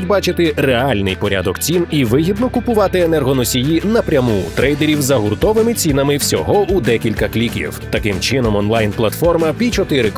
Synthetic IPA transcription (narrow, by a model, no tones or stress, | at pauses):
dʲbɑt͡ʃɪt̪ɪreɑlʲnɪjpɔɾʲa̰d̪ɔkt͡sʲiniʋɪɦʲib̪nɔkʊpʊʋɑt̪ɪɛnɛrɦɔnɔsʲijinɐpɾʲɐmut̪ɾɛjd̪eɾʲiwzɐɦʊrt̪ɔʋɪmɪt͡sʲinɐmɪwsʲɔ̰ɦɔud̪ɛkʲilʲkɐklʲikʲḭwt̪ɐkɪmt͡ʃɪnɔmɔnlˠɑjnplˠɐt̪fɔrmɐpʲit͡ʃɔt̪ɪɾɪk